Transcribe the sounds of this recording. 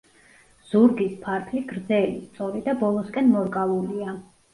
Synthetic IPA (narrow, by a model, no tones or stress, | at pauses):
z̥uɾɡispʰaɾkʰliɡɾd̪zɛlist̪sʼɔɾid̪abɔlˠɔskʼɛnmɔɾkʼalˠulia